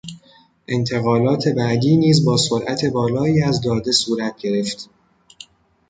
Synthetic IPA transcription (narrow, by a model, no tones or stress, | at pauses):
ʔe̞nt̪ʰe̞ɣɒːlɒːt̪ʰe̞bæʔd̪iːniːzbɒːsoɾʔæt̪ʰe̞bɒːlɒːiːæzd̪ɒːd̪e̞suːɾæt̪̚ʰɟe̞ɾe̞ft̪